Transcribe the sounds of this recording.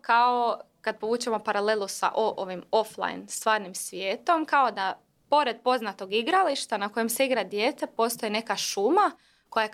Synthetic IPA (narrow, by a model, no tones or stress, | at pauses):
kaokad̪̚po̞ʋuːt͡ɕemo̞paɾale̞lˠusa̰ʔoʔoʋimo̞flˠa̰j̰nst̪ʋaːɾnimsʋjeːt̪o̞mkao̞d̪a | po̞ɾe̞d̪̚po̞znat̪o̞ɡiɡɾaliʃt̪anako̞jemseiɡɾad̪je̞ːt̪e̞po̞st̪o̞jine̞kaʃuma | ko̞ja